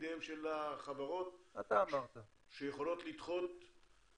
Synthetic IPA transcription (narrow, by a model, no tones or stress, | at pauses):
d̪eemʃelaχavaʁo̞t̪at̪aːmaʁt̪a | ʃejeχo̞lo̞t̪lit̪χo̞t̪